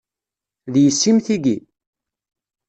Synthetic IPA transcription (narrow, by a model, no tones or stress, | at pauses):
ðjəsːimθiɡi